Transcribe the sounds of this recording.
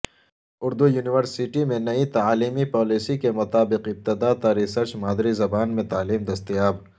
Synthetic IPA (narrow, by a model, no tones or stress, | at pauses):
ʊɾd̪ujuːnɪʋəɾsɪʈimẽnɐit̪aaːliːmipɔːliːsikemʊt̪aːbɪqɪb̚t̪ɪd̪at̪aɾɪsəɾt͡ʃmaːd̪ɾizɐbaːnmẽt̪aːliːmd̪ɐst̪ijaːb